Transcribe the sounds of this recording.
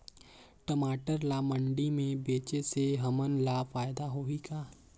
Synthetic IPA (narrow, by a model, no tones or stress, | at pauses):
ʈəmaːʈəɾlaːmə̃ɳɖimẽbeːt͡ʃeseɦɐmənlaːfaːjd̪aɦoikaː